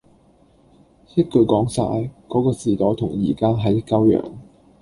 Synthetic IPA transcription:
sɪ˥t̚kɵ˨˧ɥkɔː˨˥ŋsa̰ː˧jkɔː˨˥kɔː˧t͡siː˨t̪ɔː˨˥jt̪ʰʊ˨˩ŋjḭː˨˩kaː˥ɦɐ˨˥jkːɐ˥wjœ̰ː˨˩ŋ

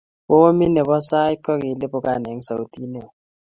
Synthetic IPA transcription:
ɓo˦mi˦nɛ˨ɓɔ˦sa˦i˦kʼɔ˦k̬i˨le˦ɓɔ˦k̬ʼa˨nɛ˨˦ŋ̩˦sa˨u˦tʼi˦nɛ˨

